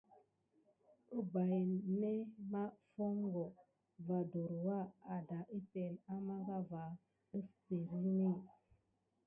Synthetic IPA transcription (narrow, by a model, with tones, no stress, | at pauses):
ə˦ba˨jne˦ma˦fo˦ŋɡo˨ | va˨do˨ɾwa˦a˨da˨ʔi˦te˨la˦ma˦ɡa˦va˨ | ə˦spe˨ɾi˦ne˦˨